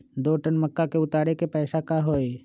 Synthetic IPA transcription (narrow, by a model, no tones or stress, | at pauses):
d̪oːʈənməkːakeʊt̪aːɾekepɛːʃakaɦoːe